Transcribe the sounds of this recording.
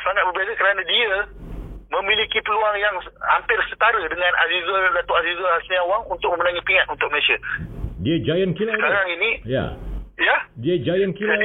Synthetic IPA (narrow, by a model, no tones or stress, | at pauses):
saŋat̪̚bəbazəkəɾanãdiə | mə̃milikipəluaŋjaŋa̰mpɪrsət̪aɾədəŋãnʔa̰zizaldat̪oazizalasjaŋwaŋunt̪ʊk̚mə̃mənaŋipiŋat̪unt̪ʊk̚məlesadiəd͡ʒajənkilsaəkaɾaŋinĩja̰jadiəd͡ʒajənkila